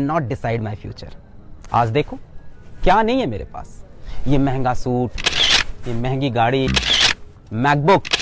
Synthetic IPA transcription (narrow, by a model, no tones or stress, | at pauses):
nɔːʈ̚ɖɪsaɪɖmaːɪjfʰjṵːt͡ʃə̰ɾa̰ːd͡ʒd̪eːkʰokjaːnɐɦĩɦɛ̃mḛːɾḛpa̰ːs | jeːmɛ̃ɦŋɡasuːʈjemɛ̃ɦɛ̃ŋɡiɡaːɽi | mɛːk̚bʊk